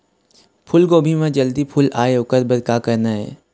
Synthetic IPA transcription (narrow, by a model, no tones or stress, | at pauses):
pʰʊlɡoːbʱimẽd͡ʒəld̪ipʰʊlaːeʊkəɾbəd̪kakəɾnaɦɛ̰ː